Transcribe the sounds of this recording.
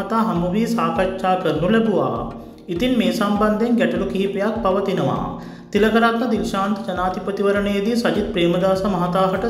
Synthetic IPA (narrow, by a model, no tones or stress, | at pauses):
ɐt̪aɦɐmɐʋiːsaːkɐt͡ʃːʃaːkɐɾnulebuʋa̰ː | it̪inmeːsɐmbɐnd̪ʱeŋɡɛʈɐlukʰiɦipjak̚pɐʋɐt̪inɐʋa̰ː | t̪ilɐkɐɾat̪ːɐd̪ilʃaːnt̪d͡ʒɐnaːd̪ipɐt̪iʋɐɾɐɳeːd̪isɐd͡ʒit̪̚pɾeːmɐd̪aːsɐmɐɦɐt̪aːɦɐʈɐ